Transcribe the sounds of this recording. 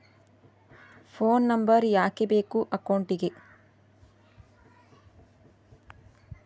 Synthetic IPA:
pʰoːnːɐmbɐɾjaːkebeːkuʔɐkɐwɳʈiɡe

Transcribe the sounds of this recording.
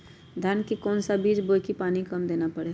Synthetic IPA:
d̪ʱankikɔːnsabiːd͡ʒboːjkipaːnikɐmd̪eːnapəɽe

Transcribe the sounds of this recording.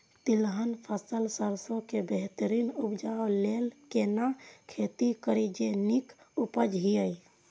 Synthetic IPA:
t̪ilɦənpʰəsəlsəɾsõkebeɦt̪əɾinupd͡ʒalelkenakʰet̪ikəɾid͡ʒenik | upəd͡ʒɦiəi

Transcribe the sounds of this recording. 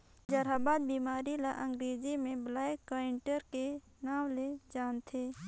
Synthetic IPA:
d͡ʒəɾaːbaːd̪̚biːmaːɾilaʔə̃ŋɡɾeːd͡ʒimẽblaːkːaɪɳʈəɾke | naːmled͡ʒaːnt̪ʰeː

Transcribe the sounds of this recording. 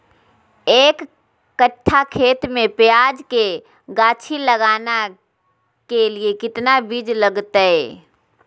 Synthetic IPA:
eːkː | əʈʰːakʰeːt̪mẽpɪjaːd͡ʒke | ɡaːt͡ʃʰiləɡaːna | keliekɪt̪nabid͡ʒləɡt̪aɦɛː

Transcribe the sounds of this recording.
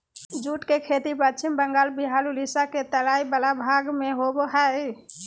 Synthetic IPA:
d͡ʒuʈkekʰet̪ipətːt͡ʃʰimbəŋɡalbiɦalulisaket̪əlaibəlabʱaɡmeɦoboɦə

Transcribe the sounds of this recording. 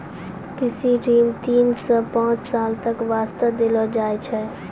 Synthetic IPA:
kɾɪsiɖiːmt̪iːnsə̃pãːt͡ʃsaːlt̪əkʋaːst̪əd̪elɔd͡ʒaːɛt͡ʃʰɛ

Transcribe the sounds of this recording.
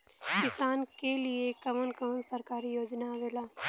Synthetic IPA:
kɪsaːnkeliekəʋənkəmənsəɾkaːɾijoːd͡ʒnaʋeːlaː

